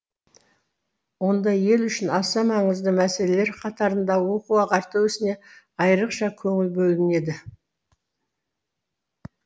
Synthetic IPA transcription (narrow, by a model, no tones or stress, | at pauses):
wo̞nd̪ɑje̞lʏʃɪnɑsɑmɑɴəzd̪əmæse̞le̞le̞ɾqʰɑt̪ɑɾənd̪ɑwo̞quɑqɑɾt̪əwʏsɪne̞ | ɑjəɾəqʃɑkʲʰɵŋɪlbɵlɪne̞d̪ɪ